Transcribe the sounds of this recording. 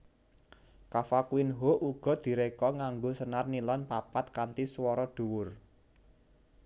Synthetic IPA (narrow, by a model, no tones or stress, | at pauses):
kafakuwɪnɦoʔuɡ̥ɔ̤d̪̥i̤ɾekɔŋaŋɡosənarnilɔnpapat̪̚kant̪iswɔɾɔɖ̪̥ṳwʊr